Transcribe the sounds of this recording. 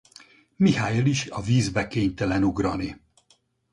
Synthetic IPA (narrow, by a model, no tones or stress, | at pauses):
mihaːjeliʃɒviːzbɛkeːɲt̪ɛlɛnuɡrɒni